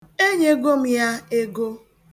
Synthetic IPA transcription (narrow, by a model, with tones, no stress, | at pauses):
e˦ɲe˦ɡo˦m̩˦ja˦e˦ɡo˦